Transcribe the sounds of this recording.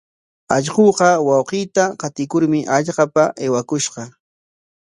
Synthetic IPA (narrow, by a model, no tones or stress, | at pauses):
ɑʎɢoːqɑwɑwqiːt̪aqɑt̪ɪkʊɾmɪʔɑʎɢɑpaʔejwakʊʃqɑ